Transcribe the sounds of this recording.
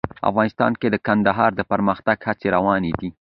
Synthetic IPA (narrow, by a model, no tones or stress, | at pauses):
a̰fɣɑnɪst̪ɑ̰nked̪əkand̪aɦɑɾd̪əpaɾməxt̪aɡhat͡seɾawɑned̪i